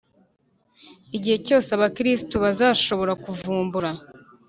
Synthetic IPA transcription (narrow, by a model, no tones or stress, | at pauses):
iɟihe̞co̞ːseaβakɾistuβazaːʃo̞βo̞ɾakuvuːmbuɾa